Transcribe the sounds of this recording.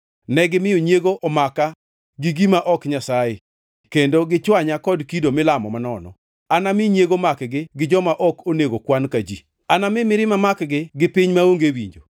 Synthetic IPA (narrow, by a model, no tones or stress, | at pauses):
nɛɡɪmɪoɲjeɡoʔɔmaka | ɡɪɡimaʔɔkɲasaje | kendoɡɪt͡ʃwaɲakɔdkidomɪlamɔ̰manɔnɔ̰ | anamɪɲeɡomakɡɪɡɪd͡ʒɔmaʔɔkoneɡokwankad͡ʒḭ | anamɪmɪɾɪmamakɡɪɡɪpiɲmaoŋɡewḭɲd͡ʒo̰